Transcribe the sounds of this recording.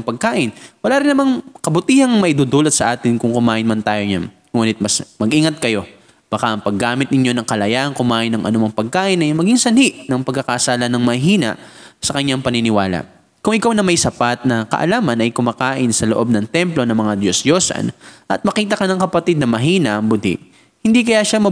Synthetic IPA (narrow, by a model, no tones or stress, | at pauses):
pɐɡ̚kaːʔɪnwɐlaːɾɪnːɐmaŋkɐbʊt̪iːhɐŋmɐʔɪd̪uːd̪uːlɐt̪sɐʔaːt̪ɪnkʊŋkʊmaːʔɪnmɐnt̪aːjoɲan | ŋuːnɪt̪̚mɐsmɐɡʔiːŋɐt̪̚kɐjo̞ | b̥ɐkaʔɐŋpɐɡːaːmɪt̪̚nɪɲjo̞nɐŋkɐlɐjaʔɐŋkʊmaːʔɪnːɐŋʔɐ̰nomɐŋpɐɡ̚kaːʔɪnʔɐjmɐɡiŋsɐniʔnɐŋpɐɡ̚kːɐkɐʔɐsaːlɐnɐŋmɐɦiːnɐ̰ʔsɐkɐɲːaŋpɐnɪnɪwaːlɐ̰ | kʊŋʔɪkawnɐmɐjsɐpat̪̚nɐkɐ̰ʔɐ̰laːmɐnɐjkʊmaːkaːʔɪnsɐloʔo̞b̚nɐŋt̪ɛmplo̞nɐŋmɐŋad̪josd̪jo̞sɐ̰nʔɐt̪̚mɐkiːt̪ɐkɐnɐŋkɐpɐt̪id̪̚nɐmɐɦiːnɐʔɐŋbʊd̪ḭʔ | hɪnd̪ikɐjaʃamɐ